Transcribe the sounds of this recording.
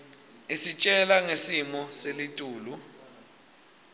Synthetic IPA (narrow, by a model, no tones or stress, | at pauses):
isit͡ʃʼɛlaŋesimɔselitʼuːlu